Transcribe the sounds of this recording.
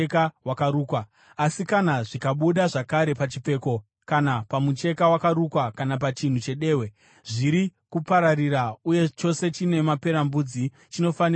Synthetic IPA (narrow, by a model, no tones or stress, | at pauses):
kawakaɾuːkwa | asikanaʐikaɓuɗaʐakaɾe̞pat͡ʃip͡fe̞ːko̞ | kanapamut͡ʃe̞kawakaɾukwakanap̬at͡ʃin̤ut͡ʃe̞ɗe̞ːwe | ʐiɾikupaɾarirauje̞t͡ʃo̞se̞t͡ʃine̞mape̞ɾambud͡zi | t͡ʃino̞fan